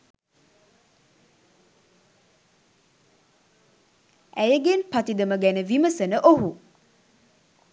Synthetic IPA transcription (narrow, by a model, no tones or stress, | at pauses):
ʔɛjəɡenpat̪id̪əməɡɛnəviməsənəʔoɦu